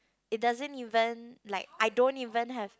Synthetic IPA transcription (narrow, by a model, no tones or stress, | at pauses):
it̚dazə̃nivə̃nlaɪk̚ʔaɪdõntivə̃nɦɛv̥